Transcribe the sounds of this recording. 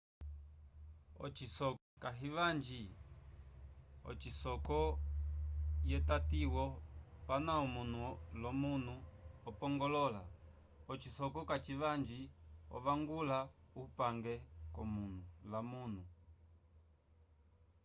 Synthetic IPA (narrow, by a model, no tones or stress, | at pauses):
ɔ̰t͡ʃisɔkaɦivand͡ʒi | ɔ̰t͡ʃisɔkɔ | jɛtatiwɔpanaɔmun̤ulɔmunuɔpɔŋɡɔlɔla | ɔt͡ʃisɔkɔkat͡ʃivaɲd͡ʒiɔ̰vaŋɡulaupaŋɡɛkɔmun̤ulamun̤u